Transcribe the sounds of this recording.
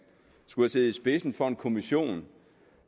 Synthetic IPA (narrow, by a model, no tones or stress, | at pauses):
sɡ̥uhæse̝ːð̩ˠisb̥e̝sn̩fɒ̽e̝nkʰo̝miɕo̝̰ːn